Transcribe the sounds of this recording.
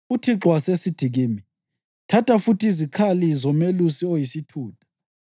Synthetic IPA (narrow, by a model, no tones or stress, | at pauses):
utʰiǁwasesid̥ʱiɣiːmi | tʰatʰafutʰiizikʰalizɔmelusiojisitʰuːtʰʼḁ